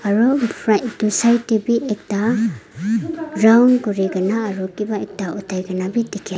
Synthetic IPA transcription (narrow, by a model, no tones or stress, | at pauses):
aɾɔpʰɾajtusajtibiʔek̚ta | ɾawnɡuɾiɡanaːɾɔkibaek̚taɔtʰajɡanabitikʰia